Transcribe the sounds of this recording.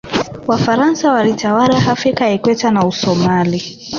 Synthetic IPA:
wafaɾansawalitawaɾaɦafɾikaɛkwɛtanausɔmali

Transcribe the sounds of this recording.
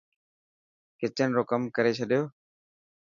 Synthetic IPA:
kɪt͡ʃənɾoːkəmkəɾeːt͡ʃʰəɗjoː

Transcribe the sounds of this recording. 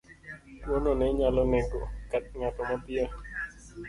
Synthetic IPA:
wɔnɔneɲalonɛɡokat̪̚ɲat̪ɔmapia

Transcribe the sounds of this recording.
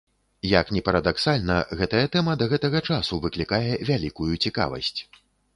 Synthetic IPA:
jɐknʲɛpɐɾɐd̪aksalʲnɐ̰ɣɛt̪ɐjɐt̪ɛmɐd̪ɐɣɛt̪ɐɣɐt͡ʂasuvɨklʲikajɛvʲalʲikujut͡sʲika̰vɐ̰sʲt͡sʲ

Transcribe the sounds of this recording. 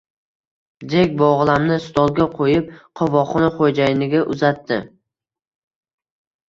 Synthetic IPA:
d̪e̞kʲbɒʁlˠamnɪst̪ʰɒlˠɡʲaqʰojɪp̚qʰɒvɒχɒnaχod͡ʒajɪnɪɡʲaʔʊzat̪ːɪ

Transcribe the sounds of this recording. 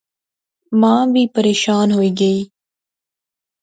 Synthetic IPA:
mãːbiːpəɾeːʃaːnɦoːiːɡɐiː

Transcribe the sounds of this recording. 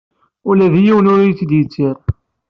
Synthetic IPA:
ʊlæðijiwənʊɾjət͡sːd̪jət͡sːiɾˤ

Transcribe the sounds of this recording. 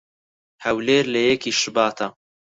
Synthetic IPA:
hɐwleːɾlɐjɛkiːʃɨbaːt̪ʰɐ

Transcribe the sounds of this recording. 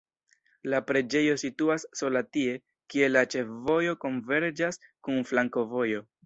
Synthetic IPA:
lapɾe̞d͡ʒe̞jo̞situasːo̞latie̞ | kie̞lat͡ʃe̞fvo̞jo̞ko̞nve̞ɾd͡ʒaskunflaŋko̞vo̞jo̞

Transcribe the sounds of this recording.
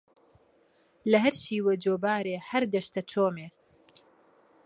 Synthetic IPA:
lɐɦɐɾʃiːwed͡ʒoːbaːɾeːhɐɾd̪ɐʃt̪ɐt͡ʃʰoːmeː

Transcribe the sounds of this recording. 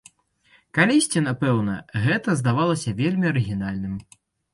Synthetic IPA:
kalʲisʲt͡sʲinapɛwnɐ̰ɣɛt̪ɐzd̪avalˠɐsʲɐvʲelʲmʲiɐɾɨɣʲinalʲnɨm

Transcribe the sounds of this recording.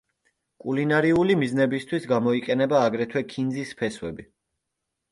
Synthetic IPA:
kʼulinaɾiulimiznɛbist̪ʰwisɡamɔiqʼɛnɛbaːɡɾɛt̪ʰwɛkʰind̪zispʰɛswɛbi

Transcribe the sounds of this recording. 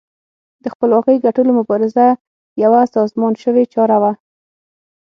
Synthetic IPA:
d̪̥əxpəlwɑqəjɡaʈəlomʊbɑɾɪza | jawasɑzmɑnʃəwet͡ʃɑɾawa

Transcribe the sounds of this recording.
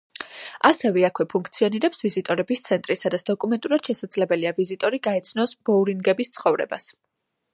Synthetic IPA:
asɛvɛakʰwɛpʰuŋkʰt̪sʰiɔniɾɛpsvizit̪ʼɔɾɛbist̪sʰɛnt̪ʼɾisad̪at̪sʰd̪̥ɔkʼumɛnt̪ʼuɾad̪̥ʃɛsad̪zlɛbɛliavizit̪ʼɔɾiɡaɛt̪sʰnɔsbɔuɾinɡɛbist̪sʰχɔvɾɛ̰ba̰s

